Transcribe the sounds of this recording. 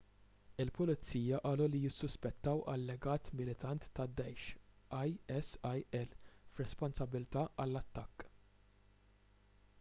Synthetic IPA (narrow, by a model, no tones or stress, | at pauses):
ɪlpʊlɪt͡siːjɐʔɐːlulijɪsːʊspɛt̪ːɐwʔɐlːɛɡɐːt̪mɪlɪt̪ɐnt̪ːɐd̪ːɛjʃʔɐjɛsɐjɛlfɾɛspɔnsɐbɪlt̪ɐːʔɐlːɐt̪ːɐkː